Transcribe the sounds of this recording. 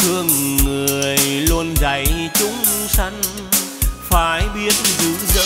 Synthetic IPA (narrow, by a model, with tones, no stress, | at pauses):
t̪ʰɨ˧əŋːɨ˨˩ə˩əjlu˧ənza˨˩jt͡ɕʊ˧˦ŋ͡msa˧jŋ̟ | faː˨˩˦jɓi˦˥ət̚zɨ˧˥zə̰˧